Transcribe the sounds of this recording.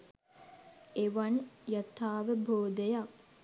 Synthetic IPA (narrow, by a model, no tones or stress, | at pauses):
eʋanjət̪aːʋəbʱoːd̪əjak̚